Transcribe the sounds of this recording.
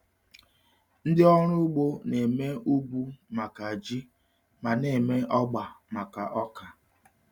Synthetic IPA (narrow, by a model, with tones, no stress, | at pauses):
n̩˦dɪ˦ɔ˦ɾʊ˦ɡ͡bo˦ne˨me˦u˦bu˦ma˨ka˨a˨d͡ʒi˦ | ma˨ne˨me˦ɔ˦ɡ͡ba˨ma˨ka˨ʔɔ˦ka˨